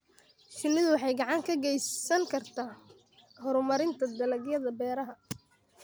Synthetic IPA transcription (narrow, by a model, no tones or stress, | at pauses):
ʃɪnːɪðʊwɑħɑjɡɑʕɑŋkʰɐɡɛjsɐŋkʰɐrt̪ʰaː | hɔɾʊmɐɾɪnt̪ʰɐd̪ɐlɐɡjɐðɐbɛːɾɐɦɐ